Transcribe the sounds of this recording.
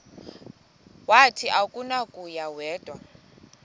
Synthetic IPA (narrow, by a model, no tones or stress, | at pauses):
watʰiʔakʼunakʼujawɛːtʼwa